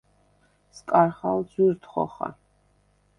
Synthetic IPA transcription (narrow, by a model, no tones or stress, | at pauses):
skʼaɾχalˠd̪zwiɾt̪ʰχɔ̰χa̰